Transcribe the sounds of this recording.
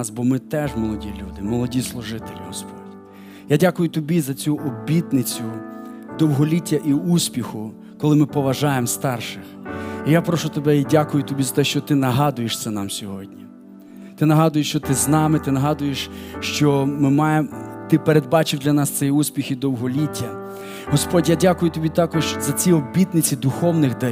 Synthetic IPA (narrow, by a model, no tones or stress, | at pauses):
sbɔmɪt̪ɛʒmɔlˠɔdʲilʲud̪ɪmɔlˠɔdʲislˠʊʒɪt̪elʲiɦɔspɔdʲ | jadʲakʊjʊt̪ɔbʲizɐt͡sʲuʔɔbʲit̪nɪt͡sʲʊd̪ɔwɦɔlʲitʲːɐʔiusʲpʲixʊ | kɔlˠɪmɪpɔʋɐʒɑjemst̪ɑrʃɪxijapɾɔʃʊt̪ebɛidʲakʊjʊt̪ɔbʲizɐt̪ɛʃt͡ʃɔt̪ɪnɐɦɑd̪ʊjeʃt̪sɛnɑmsʲɔɦɔdʲnʲi | t̪ɪnɐɦɑd̪ʊjeʃt͡ʃɔt̪ɪznɑmɪt̪ɪnɐɦɑd̪ʊjeʃʃt͡ʃɔmɪmɑjemt̪ɪpeɾed̪̚bɑt͡ʃɪwd̪ʲlʲɐnɑst̪ɛjusʲpʲixid̪ɔwɦɔlʲitʲːɐ | ɦɔspɔdʲjadʲakʊjʊt̪ɔbʲit̪ɑkɔʃzɐt͡sʲiɔbʲit̪nɪt͡sʲid̪ʊxɔwnɪxd̪ɐ